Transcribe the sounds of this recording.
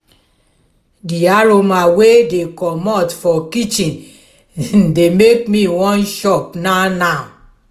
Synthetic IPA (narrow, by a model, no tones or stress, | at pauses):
diaɹomawedekɔmɔtfɔkit͡ʃĩn | demekmĩwɔ̃nʃɔpnana